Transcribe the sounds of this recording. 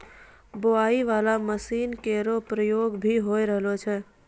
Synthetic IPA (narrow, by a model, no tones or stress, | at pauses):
boaːiʋaːlaməsiːnkeːɾopɾəjoːɡbʱiɦoːiɾəɦlot͡ʃʰɛː